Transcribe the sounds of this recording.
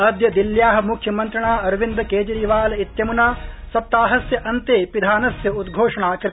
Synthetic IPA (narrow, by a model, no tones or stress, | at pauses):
ɐd̪jɐd̪iljaːɦɐ̆mukʰjɐmɐnt̪ɾɐɳaːɐɾʋind̪ɐkeːd͡ʒɐɾiːʋaːlɐit̪jɐmunaːsɐp̚t̪aːɦɐsjɐʔɐnt̪eːpid̪ʱaːnɐsjɐud̪ɡʱoːʂɐɳaːkɾɪ